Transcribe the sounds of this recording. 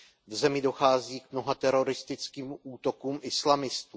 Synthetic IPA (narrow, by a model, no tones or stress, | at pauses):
vzɛmɪdo̞xaːziːkmno̞ɦat̪ɛɾo̞ɾɪst̪ɪt͡skiːmʔuːt̪o̞kuːmʔɪslamɪst̪uː